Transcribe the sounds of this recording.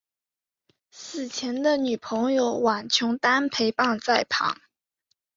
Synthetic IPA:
sɹ̩˨˩t͡ɕʰjɛ˧˥nd̪ə˧ny˨˩pʰɤ˧˥ŋjo˥˩ʊwa˨˩nt͡ɕʰjʊ˧˥ŋt̪a˥npʰe˧˥ɪpɑ˥˧ŋt͡sa˥˩ɪpʰɑ̰˨˦ŋ

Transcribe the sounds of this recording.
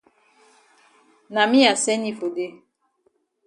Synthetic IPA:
na˨mi˦ja˨sɛ˦ni˦fo˨de˦

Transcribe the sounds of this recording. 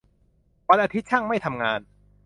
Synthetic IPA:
ba˧nʔaː˧t̪ʰi˦˥t̪̚t͡ɕʰa˥˩ŋma˥˩jt̪ʰa˧mŋaː˧n

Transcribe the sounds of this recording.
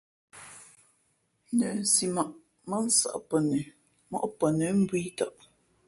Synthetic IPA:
nə˨n̩˨si˨ma˨ʔ | mə˦n̩˦sa̰˨ʔpə˨nə˨ | mɔ̰˦ʔpə˨nə˨˦m̩˦bwi˦ta˨ʔ

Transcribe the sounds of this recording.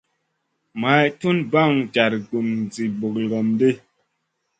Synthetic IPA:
ma˨˦˨tu˦nba˦˨ŋd͡ʒa˨ɾɡu˨m˨d͡zi˨bo˨klɡɔ˨mde˦˨

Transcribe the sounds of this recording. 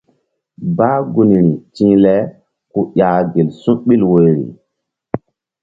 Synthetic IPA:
baː˦ɡu˨ni˨ɾi˨t͡ʃĩ˦lɛ˦ | ku˦jaː˨ɡe˨lsu˦ɓi˦lwo˨jɾḭ˨

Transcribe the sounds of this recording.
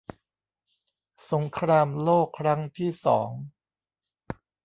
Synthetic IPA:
so˩˦ŋkʰɾaː˧mloː˥˩kʰːɾa˦˥ŋt̪ʰiː˥˩sɔ̰ː˩˦ŋ

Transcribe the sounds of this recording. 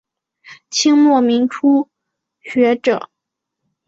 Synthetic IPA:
t͡ɕʰi˥ŋmwɔ˥˩mi˧˥ŋʈ͡ʂʰu˥ | ɕɥɛ˧˥ʈ͡ʂɤ̰˨˩˦

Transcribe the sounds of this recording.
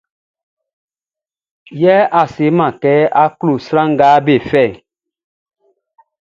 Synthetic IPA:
jɛ˦ʔa˨se˨˦mã˨kɛ˨˦a˦klo˨sɾã˦ŋ˦ɡaː˨˦be˨fɛ˦˨

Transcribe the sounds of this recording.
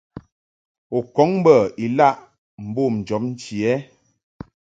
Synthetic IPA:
o˨kɔ˨˦ŋ˦bə˦˨i˨la˦˨ʔ | m̩˨bo˦˨m̩˨d͡ʒɔ˨˦p̚n̩˦t͡ʃi˨ɛ˦

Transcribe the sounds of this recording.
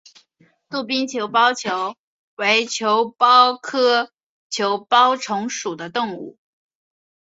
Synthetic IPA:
t̪u˥˩pi˥ŋt͡ɕʰjo˧˥ʊpɑ˥ʊt͡ɕʰjo˧˥ʊ | we˧˥ɪt͡ɕʰjo˧˥ʊpɑ˥ʊkʰɤ˥ | t͡ɕʰjo˧˥ʊpɑ˥ʊʈ͡ʂʰʊ˧˥ŋʂu˨˩d̪ə˦t̪ʊ˥˧ŋṵ˥˩

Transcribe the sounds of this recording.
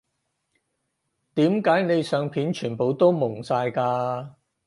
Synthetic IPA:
t̪iː˨˥mkaː˨˥jne˨˧jsœː˨ŋpʰiː˨˥nt͡ʃʰyː˨˩npo˨˧wt̪o˥wmʊ˨˩ŋsaː˧jkaː˧

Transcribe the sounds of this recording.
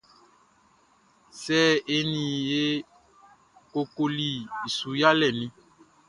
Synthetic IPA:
sɛː˦e˦nĩ˨je˦ | ko˨ko˨li˨i˨su˨ja˦lɛ˨nĩ˦

